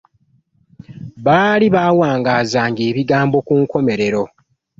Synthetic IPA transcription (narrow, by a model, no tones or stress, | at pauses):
βaːliβaːwaːŋɡaːzaːŋɡeːβiɡaːmbo̞kuŋko̞me̞ɾe̞ɾo̞